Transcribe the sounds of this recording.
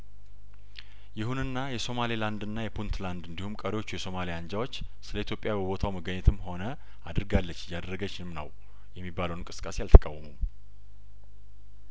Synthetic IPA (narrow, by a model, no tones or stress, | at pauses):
jɪɦunɨnːajɛso̞maliland̪ɨnːajɛpʰunt̪land̪ɨnd̪ihumkʼəɾewot͡ʃːujɛso̞malijaɲd͡ʒawo̞t͡ʃːsɨləit̪jo̞pʼːjabəbo̞t̪ʰawməɡəɲːɛt̪ʰɨmho̞nə | ad̪ɨɾɡalːət͡ʃːɪjːad̪əɾːəɡət͡ʃːɪmnəw | jɛmːibːaləwnkʼɨ̥sɨ̥kʼːasejalt̪ʰə̥kʼa̰wːəmum